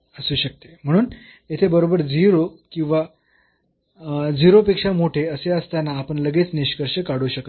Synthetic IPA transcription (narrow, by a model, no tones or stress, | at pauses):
əsuːɕək̚t̪em̤əɽ̃uːn | jet̪ʰebəɾobəɾd͡ziɾokĩw̃ʋa | d͡ziɾopekʂamoʈʰeəseəst̪anːaːpəɳləɡet͡sniɕkəɾʂəkaɽuːɕəkət̪